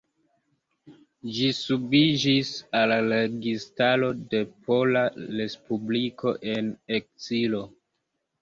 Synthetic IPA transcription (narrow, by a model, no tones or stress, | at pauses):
d͡ʒisubid͡ʒisalleɡistalo̞de̞pʰo̞laɾe̞spublikʰo̞ʔe̞nek̚silo̞